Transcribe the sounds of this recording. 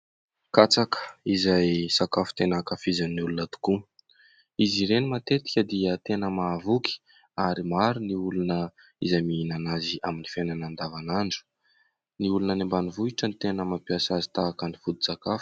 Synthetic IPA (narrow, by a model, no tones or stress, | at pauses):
kat͡sakə̥izajsakafu̥t̪enakafizaniulunət̪u̥ku | iziɾenimat̪et̪i̥kʲəd̪iət̪enəmavuki̥ | aɾimaɾuniulunə | izajminanaziʔaminifenanand̪avanaɳɖ͡ʐu̥ | niulunənembanivuiʈ͡ʂənit̪enəmampiasazi̥t̪aːkənifud̪i̥sakafu̥